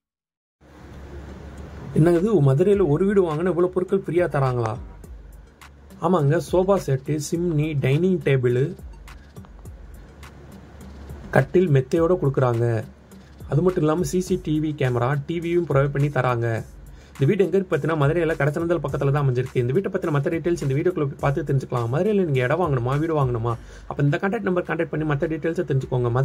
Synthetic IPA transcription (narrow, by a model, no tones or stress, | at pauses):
ɛnːɐɪðɯmɐðɪɾɐjɐlɐɔɾɯʋiːɽɯʋaːŋɡɐnːaːɪʋːɐɭoːpɔɾɯkːɐɭpɪɾɪjaːt̪ɐɾaːŋɡɐɭa̰ː | aːmaːɪŋɡɐsoːbaːseːʈːɯsɪmniɖɐɪnɪŋɡʈeːbɪl | kɐʈːɪlmɛt̪ːɐjoːɽɐkɔɽɯkːɯɾaːŋɡɐ | ɐðɯmɐʈːɯ̃ɪlːaːmɐsiːsiʈiʋikeːmɐɾaːʈiːʋiɯmpɪɾɐʋɐːpɐɳːit̪ɐɾʔaːŋɡɐ | ɪnd̪ɐʋiːʈ̬ːɯɛŋɡɐɾpaɾt̪̬inaːmɐðɪɾɐjɐlɐkɐɽɐt͡ʃːɐnɐnd̪ɐlpɐkːɐt̪ːɪlɐt̪̬ãːɐmɛɲd͡ʒɪɾɯkːɯɪnd̪ɐʋiːʈːɛpːaːt̪ːinãːmɐt̪ːɐɖiːʈːɐeɪlsɪnd̪ɐʋiːɽjkɭoːp̬ːipaːɾt̪ɯt̪ːɪɾɪɲd͡ʒɯkːɐɭãːmɐðɪɾɛjɐlːɐniːŋɡɐɛɽɐʋaːŋɡɐɳɯmːaːʋiːɽɯʋaːŋɡɐɳɯmaː | ɐpːɐːɪnd̪ɐkɐɳʈɐkʈnɐmbɐɾkɐɳʈɐkʈ̚pɐɳːimɐt̪ːɐɖiːʈːɐɪlsɐt̪ɪɾɪɲd͡ʒɯkːoːŋɡɐmɐ